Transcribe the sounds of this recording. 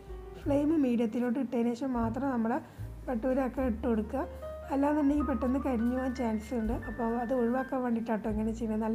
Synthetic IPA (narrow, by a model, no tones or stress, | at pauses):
fɭejmɨmiːɽijɐt̪ːinoːɽːɨiʈːeːneːʂɐmːaːt̪rɐmnɐmːuɽe | peʈːuoɾɐkːeiʈːoɽukːɐ | ɐlːaːt̪ɐnːeiːpeʈːenːɨkɐɾiɲːuʋoːnt͡ɕaːnssuɳɖɨʔɐpːoːmɐðɨoɻiʋɐkːeʋeːɳɖiʈːaːʈːoeŋːɐnet͡ɕejnːɐnːɐlː